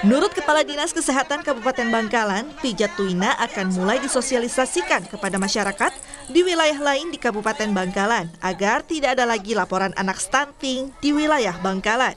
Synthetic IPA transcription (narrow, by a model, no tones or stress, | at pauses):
mənuɾʊt̪̚kəpaladinaskəseɦat̪ankabupat̪ɛnbaŋkalanpid͡ʒat̪uinaʔakanmulajdisosialisasikankəpadamaʃaɾakat̪̚ | diwilajaɦlaɪndikabupat̪ɛnbaŋkalanaɡart̪idaːdalaɡilapoɾanʔa̰nak̚st̪ant̪ɪŋd̥iwilajahbaŋkalan